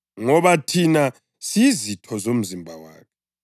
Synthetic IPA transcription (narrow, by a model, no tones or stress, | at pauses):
ŋɔβatʰina | sizitʰɔzom̩zimbʱawa̰ːkʰɛ̥